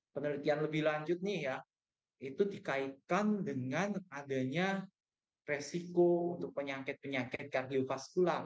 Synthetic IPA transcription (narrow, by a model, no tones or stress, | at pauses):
pənəlit̪ianləbɪhlaɲd͡ʒʊt̪̚nɪhja | it̪udikait̪̚kandəŋanadaɲa | resikount̪ʊk̚pəɲakɪt̪̚pəɲakɪt̪̚kardiofaskular